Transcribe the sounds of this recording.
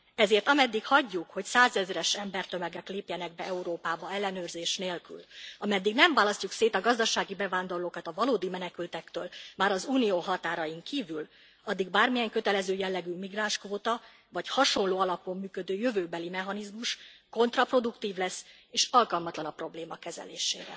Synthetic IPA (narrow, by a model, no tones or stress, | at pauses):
ɛzeːrt̪ɒmɛd̪ːikhɒɟːukho̞csaːzɛzɾɛʃɛmbɛrt̪ø̞mɛɡɛkleːpjɛnɛɡ̚bɛɛuɾoːpaːbɒɛlːɛnøːrzeːʃneːlky̰lɒmɛd̪ːiɡnɛɱvaːlɒscukseːt̪ɒɡɒzd̪ɒʃaːɡibɛvaːnd̪o̞rloːkɒt̪ɒvɒloːd̪imɛnɛkylt̪ɛkt̪øːlmaːɾɒzuːnijoːɦɒt̪aːɾɒjiŋkiːvyl | ɒd̪ːiɡbaːrmijɛŋkø̞t̪ɛlɛzøːjɛlːɛɡyːmiɡraːnʃkvoːt̪ɒ | vɒchɒʃo̞nloːɒlɒpo̞mːyːkø̞d̪øːjø̞vøːbɛlimɛɦɒnizmuʃko̞nt̪rɒpro̞d̪ukt̪iːvlɛsː | eːʃɒlkɒlmɒt̪lɒnɒpro̞bleːmɒkɛzɛ̰lḛːʃḛːɾɛ̰